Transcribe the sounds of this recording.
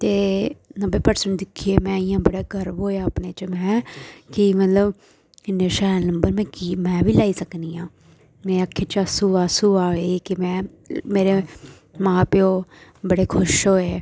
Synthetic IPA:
t̪eːnəmbeːpəɾsəɳd̪ɪkʰieːmɛ̃ːɪjãːbəɽaːɡʱəɾʋɦoːjaːəpneːt͡ʃmɛ̃ːkɪmət̪ləb | ɪnːeːʃɛːlnəmbəɾmɛ̃ːkiːmɛ̃ːʋiːlaːiːsəkniːjãː | mɛ̃ːakʰːeːt͡ʃəsuːaːsuːaːɦeːkɪmɛ̃ː | meːɾeː | mãːpɪoːbəɽeːkʰʊʃɦoːeː

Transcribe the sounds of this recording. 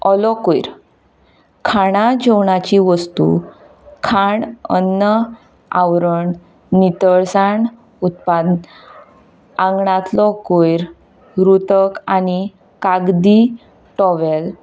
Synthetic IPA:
ɔlɔkojɾ | kʰaɽ̃ad͡ʑɔwɳat͡ɕiʋəst̪ṵ | kʰaɳə̰nːə | awɾəɳ | nit̪əɭsaɳ | ut̪pad̪ | ãŋɡɳãt̪lɔkojɾ | ɾut̪əkani | kaɡd̪i | ʈɔʋel

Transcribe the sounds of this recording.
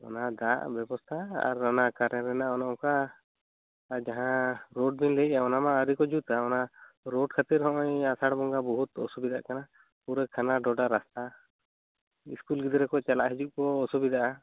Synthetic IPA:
ɔ̰nad̪aʔbɛbɔst̪ʰaa̰ɾɔnakaɾɛɾɛnaʔɔnɔɔka | d͡ʒaɦãɾɔɖ̚binlɛʔaɔnamaəɾikɔd͡ʒut̪aɔna | ɾɔɖkʰat̪iɾɦɔ̃ʔɔjasaɽbɔŋɡabɔɦut̪ɔ̰subid̪aʔkana | puɾɛkʰanaɖɔɖaɾast̪a | ḭskulɡid̪ɾɛkɔt͡ʃalaʔɦid͡ʒuʔkɔːsubid̪aʔa

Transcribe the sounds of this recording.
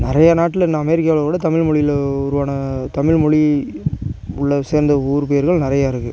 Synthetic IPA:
nɪɾɐjɐnaːʈːɪlɪnːɐɐmɛɾɪkːjaːʋɐlɐɾkuːɽɐt̪ɐmɪɻmɔɻɪjɪlʊɾɯʋaːnɐt̪ɐmɪɻmɔɭi | ʊɭːɐseːɾnd̪ɐuːɾɯpeːɾɣɐɭnɪɾɐjaːɪɾɯkːɯ

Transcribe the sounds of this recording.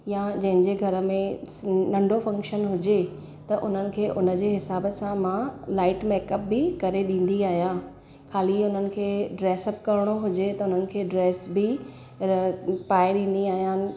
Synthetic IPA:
jãd͡ʑɐ̃ɦɪ̃ɲd͡ʑeːɡʱɐɾə̆mẽ | nɐ̃ɳɖʱofɐ̃ŋkʃənɦʊd͡ʑe | t̪ɐʔʊn̤ənɪ̆kʰeːʔʊnə̆d͡ʑeːɦɪsaːbəsãmãlaːɪʈmɛːkəp̚bɪkɐɾeɗĩːn̆d̪iaːɦijã | kʰaːliʊn̤ənɪ̆kʰeːɖɾeːsəbkɐɾɪɽ̃oɦʊd͡ʑet̪ɐʊn̤ənɪ̆kʰeːɖɾeːsbɪ | paːeɗĩːn̆d̪iaːɦijaːnɪ̆

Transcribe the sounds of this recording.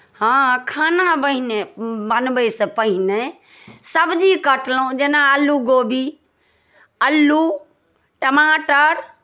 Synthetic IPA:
hãkʰaːnabəɦinebənbəisəpəɦine | səbd͡ʒikəʈlõd͡ʒenaəlːuɡoːbi | əlːu | ʈəmaːʈəɾ

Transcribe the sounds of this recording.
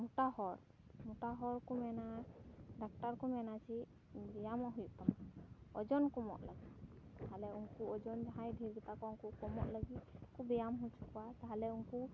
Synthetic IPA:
muʈahɔɾ | muʈaɦɔɾkumɛnaɖak̚ʈaɾkɔmɛnat͡ʃʰi | bɛjamɔɦujuʔt̪ɔmaɔd͡ʒɔnkɔmɔ̰ʔ̪ləɡit̪ | t̪aɦalɛuŋkuɔd͡ʒɔnd͡ʒaɦajdʱiɾɡɛt̪akɔuŋkukɔmɔʔ̪ləɡit̪̚kubɛjamɦut͡ʃʰu̥kɔwat̪aɦalɛuŋku

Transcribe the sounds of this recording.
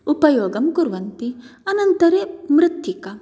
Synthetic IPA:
upɐjoːɡɐmkuɾʋɐnt̪iɐnɐnt̪ɐɾemɾɨt̪jikɐ

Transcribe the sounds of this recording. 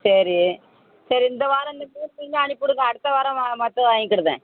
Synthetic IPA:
sɐɾi | sɐɾiɪnd̪ɐʋaːɾɐ̃ɪnd̪ɐpuːɾpinaːɳipːʊɽɯŋɡɐːɽɯt̪ːɐʋaːɾɐ̃amɐt̪ːɐaːŋɪkːɪɽɯðḛ̃ː

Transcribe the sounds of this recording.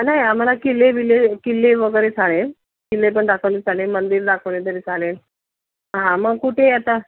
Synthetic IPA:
naɦijam̤alakilːebilekilːeʋəɡəɾet͡sʰaɭe | kilːep̬əɳɖakʰəʋnet͡sʰaɭemənd̪iːɾɖakʰəʋɳet̪əɾet͡sʰalen | ɦãməɡkuʈʰejat̪a

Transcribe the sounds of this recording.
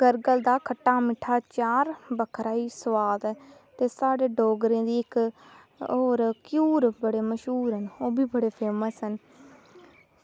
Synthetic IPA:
ɡəɾɡəld̪aːkʰəʈːaːmɪʈʰːaːt͡ʃaːɾbəkʰɾaːiːswaːd̪t̪eːsaːɖeːɖoːɡɾẽːd̪iːɪk | oːɾkjuːɾbəɽeːməʃɦuːɾɦənoːbʱiːbəɽeːpʰeːməsɦən

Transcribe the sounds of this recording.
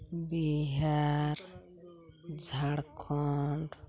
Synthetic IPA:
biɦaɾ | d͡ʒʱaɽkʰɔɳɖ

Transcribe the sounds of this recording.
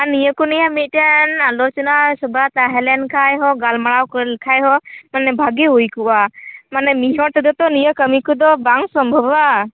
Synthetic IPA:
aɾnijəkunijamit̪̚ˀʈanalɔt͡ʃɔnasɔbat̪aɦɛlɛnkʰajɦɔɡalmaɭawkkʰajɦɔmanɛbʱaɡɛɦujkuwamanɛmiɦɔɾt̪ɛd̪ɔt̪ɔnijəkəmikɔd̪ɔbaŋsɔmbʱɔba

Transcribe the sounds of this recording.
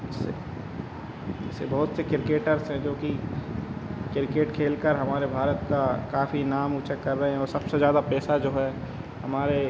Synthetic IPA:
ɪsːḛ | ɪ̰sːebɐɦʊt̪sekɪɾɪkeːʈəɾsɦɛ̃d͡ʒoːki | kɪɾɪkeːʈkʰeːlkəɾɦɐmaːɾebʱaːɾət̪kakaːfinaːmuːt͡ʃəkɐɾːɐɦẽɦɛ̃ɔːɾsɐbsezjaːd̪apɛːsad͡ʒoːɦɛː | hɐmaːɾe

